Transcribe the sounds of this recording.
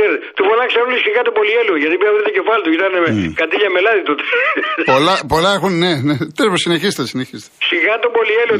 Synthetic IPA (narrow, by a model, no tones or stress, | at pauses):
eɾt̪et̪ufonɐksɐlisiɣɐt̪opo̞lieluʝɐt̪ipiɐvɾit̪ocefɐlit̪uʝit̪ɐnekɐt̪iʎɐmelɐðit̪ot̪e̥polɐpo̞lɐexunnenet̪ɾeposineçist̪sineçist̪esiɣɐt̪opo̞lielo